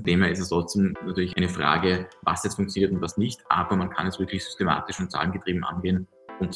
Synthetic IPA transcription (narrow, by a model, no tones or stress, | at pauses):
teːmheɐɪstɛstʁɔt͡sd̥eːmnatʰyɐlɪçʔaɪnəfʁ̥a̰ːɡəva̰sjɛt͡stfʊŋkt͡sjoniːɐtʊntvasnɪçtʔa̰ːbɐmankʰa̰nɛsv̥ɪɐklɪçz̥ʏ̥stema̰ːtɪʃʊnt̚t͡sa̰ːlənɡətʁ̥iːbm̩ʔa̰nɡeːən | ʔʊnt